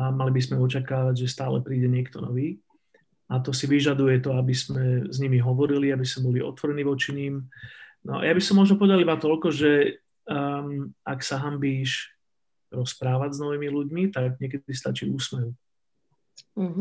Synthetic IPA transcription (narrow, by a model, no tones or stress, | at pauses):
amalibizmɛɔt͡ʃakaːʋaɟʒɛst̪aːlɛpɾiːɟɛɲɪɛkt̪ɔnɔʋiː | at̪ɔsiʋiʒad̪ujɛt̪ɔabizmɛzɲimiɦɔʋɔɾiliabisɔmbɔliɔ̰t̪ʋɔɾɛniːʋɔt͡ʃiɲimnɔ̰a̰jabisɔmɔʒnɔpɔʋɛd̪alibat̪ɔʎkɔʒɛ | aksaɦambiːʃ | ɾɔspɾaːʋaznɔʋiːmiluɟmit̪aɡɲɪɛk̬ɛd̪ist̪a̰t͡ʃḭːuːsmɛʋi